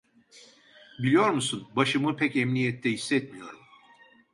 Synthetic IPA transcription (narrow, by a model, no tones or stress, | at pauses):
bilʲijo̞ɾmusunbaʃɯmɯpʰɛcɛmnijɛt̪ʰːɛɦisːɛt̪mijo̞ɾum